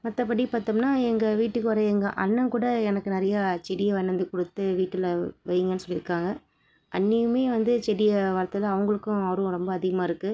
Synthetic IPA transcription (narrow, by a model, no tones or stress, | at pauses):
mɐt̪ːɐpɐɽipaːɾt̪ɐmnaːɛŋɡɐʋiːʈːɯkːɯʋɐɾɐɛŋɡɐʔɐnːɐmkuːɽɐɛnɐkːɯnɪɾɐjat͡ʃɛɾɪjɐʋɐnːɐnd̪ɯkɔɽɯt̪ːɯʋiːʈːɪlʋɐjɯŋɡɐnːɯsɔlːɪɾɯkːaːŋɡɐ | ʔɐnːɪjɯmeːʋɐnd̪ɯt͡ʃɛɾɪjɐʋɐɾɐt̪ːɐlɐɐʋɐŋɡɐɭɯkːʊ̃ɐʋɐɾʊ̃ɾɔmbɐːðɪɣɐmaːɪɾɯkːɯ